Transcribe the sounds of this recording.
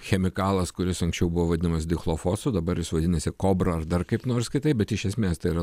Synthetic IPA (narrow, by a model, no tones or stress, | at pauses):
xʲɛmʲɪkɑːlˠɐskʊɾʲɪsɐ̃ŋksʲt͡ʃʲɛʊbʊʋoːʋɐd̪ʲɪnɐmɐsd̪ʲɪxlˠoːfoːsud̪ɐbɐɾjɪsʋɐd̪ʲɪnʲɐsʲɪkoːbɾɐɐrd̪ɐrkɐɪpnoːɾskʲɪt̪ɐɪpbʲɛt̪ɪʃʲɛsʲmʲeːst̪ɐɪiɾɐ